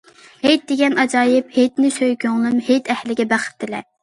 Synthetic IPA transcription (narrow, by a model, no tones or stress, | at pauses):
hejt̪̚d̪eɡʲɛnɑd͡ʒɑːjɪphet̪nɪsøjkʲøŋlˠɨmhet̪ʰɛhlɪɡʲɛbæχɪ̥t̪ʰːɪlɛ̰